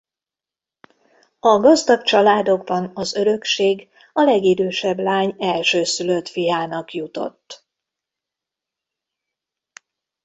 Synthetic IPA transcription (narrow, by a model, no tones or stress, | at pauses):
ɒɡɒzd̪ɒkt͡ʃɒlaːd̪o̞ɡbɒnɒzø̞ɾø̞kʃeːɡ | ɒlɛɡid̪øːʃɛblaːɲɛlʃøːsylø̞t̪fijaːnɒkjut̪o̞̰t̪ː